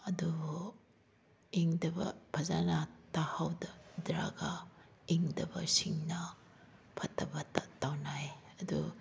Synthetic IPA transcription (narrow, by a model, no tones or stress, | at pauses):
ɐdu | iŋdɐbɐ̰pʰɐzanatahawdɐdɾa̰ɡaiŋdɐbɐ̰siŋnɐ | pʰɐtʰːɐbɐtatawnajɐdu